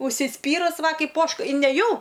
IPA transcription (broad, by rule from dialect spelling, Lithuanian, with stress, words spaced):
ʊʃʲsʲɪˈsʲpʲiːrʊs ˈʋɐ ˈkɐɪp ˈoːʃkɐ ɪ nʲɛˈjɛʊ